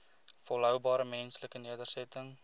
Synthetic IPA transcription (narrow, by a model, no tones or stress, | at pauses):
fɔlɦœwbɑːɾəmɛnsləkəniədərsɛtəŋ